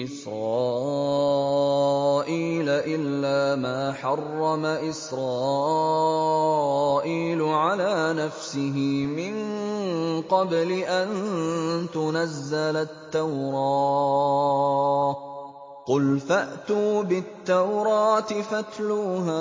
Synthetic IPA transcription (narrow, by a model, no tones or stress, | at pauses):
ʔɪsɾˤɑːʔ | ʔiːlaʔɪlːaːmaːħɑrˤːɑmaʔɪsɾˤɑː | ʔiːlʊʕalaːnafsɪɦɪmɪŋ | qɑblɪʔan | t̪ʊnazːalat̪ːawɾˤɑː | qʊlfaʔt̪uːbɪt̪ːawɾˤɑːt̪ɪfat̪luːɦaː